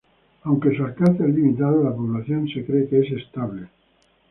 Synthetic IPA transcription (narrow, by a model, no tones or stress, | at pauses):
awŋkesaɾkaθelːimit̪aðelapoβlaθjonsekɾekeesest̪aβle